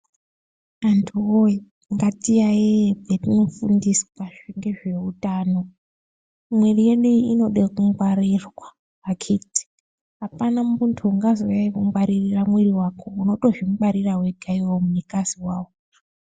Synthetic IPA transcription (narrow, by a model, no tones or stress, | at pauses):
antʰuoi | ŋɡatijaebʱetinofundiswaʐiŋɡe̞ʐe̞utaːno̞ | mwerije̞ɗuiino̞ɗekuŋɡwaɾirwa | akʰeti̥ | ɦapanamuntʰuŋɡazojaikuŋwaɾiriramweriwakʰo̞uno̞to̞ʐimɡ͡baɾiraweɡʱaiwomuɲikaziwaːwo